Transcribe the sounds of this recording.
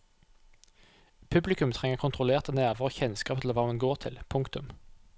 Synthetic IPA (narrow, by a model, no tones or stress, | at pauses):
pʰʉblɪkʉmt̪ʰʁɛŋəʁkʰʊnt̪ʁʊleːʁt̪ʰənæːʁʋəʁoçɛnskɑːpət̪ʰləʁʋɑːmɛnɡoːʁt̪ʰɪ̰lpʰʊŋkt̪ʉm